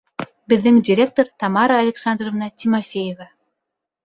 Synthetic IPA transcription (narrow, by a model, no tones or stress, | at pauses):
bɘ̆ðːɘŋdʲɪɾʲe̞k̚t̪oɾt̪ɑmɑɾɑɐlʲɪksand̪rovnɑtʲimofʲejevɑ